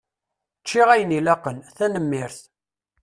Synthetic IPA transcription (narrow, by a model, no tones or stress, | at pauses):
t͡ʃːɪʁæjənilæqənθænəmːɪɾθ